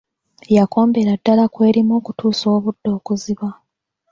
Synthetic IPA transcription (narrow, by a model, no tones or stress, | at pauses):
jako̞ːmbe̞ɾadːalakwe̞ːɾimoːkutuːso̞ːβudːo̞ːkuziβa